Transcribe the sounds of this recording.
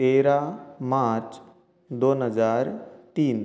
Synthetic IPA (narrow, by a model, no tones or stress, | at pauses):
eɾamaɾt͡s | d̪onɦəd͡zaɾt̪iːn